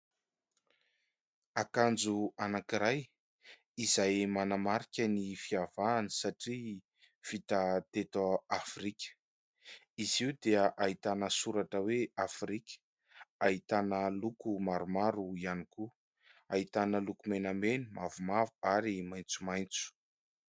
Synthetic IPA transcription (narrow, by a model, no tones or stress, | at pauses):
akand͡zuanakiɾaj | izajmanamaɾikʲənifiavaːnisaʈ͡ʂi | v̥it̪at̪et̪aafrikʲə̥ | iziud̪eəʔait̪anəsuɾaʈ͡ʂəweafrikʲə̥ | ait̪anəlukumaɾumaɾuianiku | ait̪anəlukumenamenimavumavuaɾimaj̃nt͡sumajnt͡su̥